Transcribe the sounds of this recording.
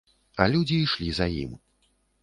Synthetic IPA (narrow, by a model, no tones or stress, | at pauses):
ɐlʲud͡zʲiːʂlʲizɐjḭm